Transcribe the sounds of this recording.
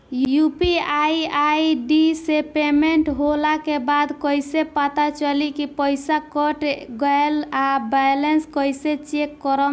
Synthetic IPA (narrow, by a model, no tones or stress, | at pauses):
jjupiaiaiɖisepemeɳʈɦolakebad̪kəjsepat̪at͡ʃəlikipəjsakɔʈɡaelabajlenskəjset͡ʃekːɔɾəm